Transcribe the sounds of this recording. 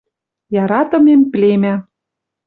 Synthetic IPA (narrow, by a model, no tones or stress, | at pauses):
jɑɾɑt̪ɤ̆memplemæ